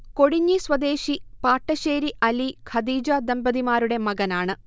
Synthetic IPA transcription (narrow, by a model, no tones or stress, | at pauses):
ko̞ɽiɲːisʋɐd̪e̞ːɕipaːʈːɐʃeːɾiʔɐlikʰɐd̪iːd͡ʒɐd̪ɐmbɐd̪imaːɾuɽe̞mɐɡɐnaːɳɨ